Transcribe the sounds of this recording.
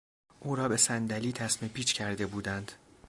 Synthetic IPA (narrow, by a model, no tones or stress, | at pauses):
ʔuːɾɒːbe̞sænd̪æliːt̪ʰæsmepʰiːt͡ʃcʰæɾd̪e̞buːd̪ænd̪̥